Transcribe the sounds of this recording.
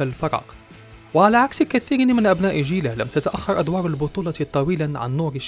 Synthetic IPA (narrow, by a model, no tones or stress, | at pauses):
alfɑɾˤɑ̰ːq | wɪʕalaʕaksɪkaθiːɾnmɪnʔabnaːʔʒiːlalamt̪at̪aʔaxːɑɾˤʔad̪wɑːɾˤalbʊt̪ˤuːlɑt̪ˤːɑwiːlanʕa̰nːuːɾɪʃ